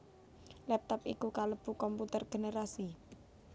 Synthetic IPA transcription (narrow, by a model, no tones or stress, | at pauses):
lɛp̚t̪ɔpikukaləb̥ṳkɔmput̪ərɡ̥e̤neɾasi